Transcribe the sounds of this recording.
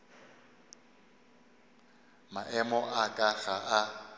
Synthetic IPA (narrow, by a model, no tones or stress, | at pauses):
maʔɛmɔʔakʼaɣaʔa